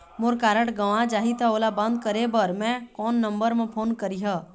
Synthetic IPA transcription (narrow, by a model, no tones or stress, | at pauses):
moɾkaːɾəʈɡəʋãd͡ʒaːɦit̪ʰaoːlabə̃nd̪̚kəɾebəɾmɛ̃kɔːnːəmbəɾmẽpʰoːnkəɾiɦə